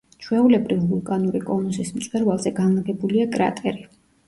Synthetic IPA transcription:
t͡ʃʰwɛulɛbɾivulˠkʼanuɾikʼɔnusismt̪sʼwɛɾvalˠzɛɡanlˠaɡɛbuliakʼɾa̰t̪ʼɛɾi

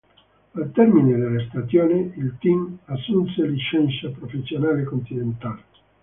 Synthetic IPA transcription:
alt̪ɛrmined̪elest̪at̪joːniilt̪imasːunseliʃɛnsapɾofesːjonaːlekont̪inent̪aːle

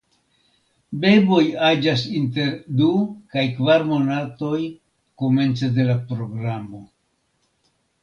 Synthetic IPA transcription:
be̞bo̞jad͡ʒasinte̞ɾdukajkvaɾmo̞nato̞j | kome̞nt͡sede̞lapɾo̞ɡɾamo̞

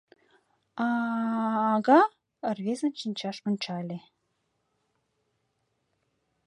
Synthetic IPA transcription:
ɑː | ɡɑ | ə̆rβezə̆nʲt͡ɕinʲt͡ɕɑʃonʲt͡ɕɑlʲe

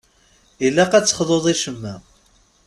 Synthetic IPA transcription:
ilːæqæt͡sːə̥χðˤoðˤiʃəmːæ

